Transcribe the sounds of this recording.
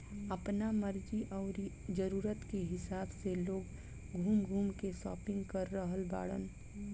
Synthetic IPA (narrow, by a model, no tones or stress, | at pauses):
əpnaməɾd͡ʒiʔɔːɾ | d͡ʒəɾuːɾət̪keɦɪsaːbseloːɡ | ɡʱuːmɡʱuːmkesɔ̰ːpɪ̃ŋɡkəɾːəɦəlba̰ːɽə̰n